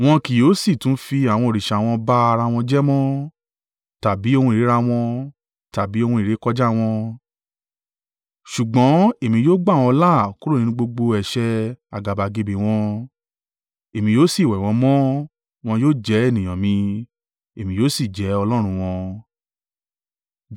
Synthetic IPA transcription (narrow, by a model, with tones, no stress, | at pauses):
w̃ɔ̃˧ki˨joː˨˦si˦˨tũ˨˦fi˧a˨w̃ɔ̃˧o˨ɾi˨ʃa˨w̃ɔ̃˧ba˦˧ɾa˧w̃ɔ̃˧d͡ʒɛ˦mɔ̃˦ | ta˨bi˨˦o˧hũ˧i˨ɾe˨˦ɾa˧w̃ɔ̃˧ | ta˨bi˨˦o˧hũ˧i˨ɾe˨˦kɔ˦d͡ʒa˦w̃ɔ̃˧ | ʃu˨ɡ͡bɔ̃˨˦e˦˨mĩ˧joː˦ɡ͡ba˦˨w̃ɔ̃˧˦la˦˨ku˦ɾo˦˨nĩ˧nĩ˧ɡ͡bo˧ɡ͡bo˧ɛ˨ʃɛ˧a˨ɡa˨ba˨ɡe˨˧be˨˧w̃ɔ̃˧ | e˨mĩ˧joː˦si˦˨wɛ˨w̃ɔ̃˧mɔ̃˦ | w̃ɔ̃˧joː˦d͡ʒɛ˨˦e˦˨nĩ˨j̃ɔ̃˨mĩ˧ | e˨mĩ˧joː˦si˦˨d͡ʒɛ˨˦ɔ˧lɔ˦ɾ̃ũ˧w̃ɔ̃˧